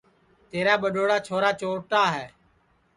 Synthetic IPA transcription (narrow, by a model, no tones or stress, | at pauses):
t̪eːɾaːɓəɗoːɽaːt͡ʃʰoːɾaːt͡ʃoːʈaːɦɛː